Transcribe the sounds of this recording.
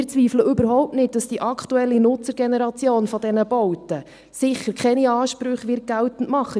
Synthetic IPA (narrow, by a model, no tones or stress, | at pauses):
ɪt͡sʋiːfləʔʏbəɾɦɔʊp̚tnɪt̚d̥ɑsd̥iʔɑkʰtuɛlːinʊt͡səɾɡenɛɾɑt͡sjoːnfɔdɛnəbɔwtə | sɪχəɾkʰχɛniɑːʃpɾʏχʋɪɾt̚ɡ̥æltən̩tmɑχːə